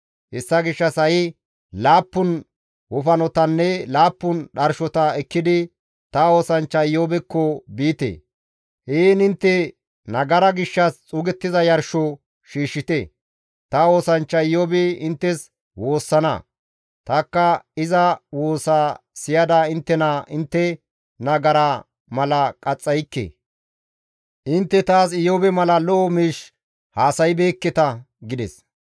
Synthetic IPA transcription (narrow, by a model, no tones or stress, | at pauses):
hɛsːɐɡɪʃːɐsɐjɪ | laːpːʊn | wɔfɐnɔt̪ɐnːɛlaːpːʊnɗɐɾʃɔt̪ɐɛkːɪd̪ɪ | t̪ɐo̞ːsɐnt͡ʃːɐɪjːoːbɛkːɔbiːt̪ḛː | heːnɪnt̪ːɛ | nɐɡɐɾɐɡɪʃːɐst͡sʼʊːɡɛt̪ːɪzɐjɐɾʃɔ | ʃiːʃːɪt̪e | t̪ɐo̞ːsɐnt͡ʃːɐɪjoːbeɪnt̪ːɛs | wo̞ːsːɐnɐ̰ | t̪ɐkːɐɪzɐwo̞ːsaːsɪjɐd̪aɪnt̪ːɛnɐʔɪnt̪ːɛ | nɐɡɐɾɐ | mɐlɐkʼɐt͡sʼːɐjkːḛː | ʔɪnt̪ːɛt̪aːsɪjoːbɛmɐlɐlɔɔmiːʃ | haːsɐjbe̞ːkːɛt̪ɐ | ɡɪd̪ɛ̰s